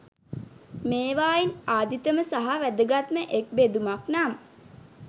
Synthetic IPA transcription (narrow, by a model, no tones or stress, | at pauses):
meːʋaːinaːd̪it̪əməsaɦaʋæd̪əɡat̪məʔek̚bed̪umaknamə